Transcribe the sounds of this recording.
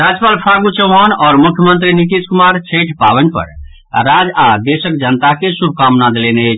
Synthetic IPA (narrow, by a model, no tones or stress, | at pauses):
ɾad͡ʒpalpʰaɡut͡ʃəɦanɔːɾmukʰjəmə̃nt̪̬ɾinit̪iskumaɾt͡ʃʰeʈʰpa̰bənpə̰ɾ | ɾad͡ʒad̪esəkd͡ʒənət̪akesubʱkamnad̪lenet͡ʃʰ